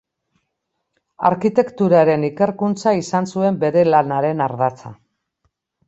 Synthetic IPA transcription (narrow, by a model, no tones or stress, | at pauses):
a̰ɾkit̪e̞kt̪uɾaɾe̞nike̞ɾkunt͡saisansue̞mbe̞ɾe̞lanaɾe̞naɾðat͡sa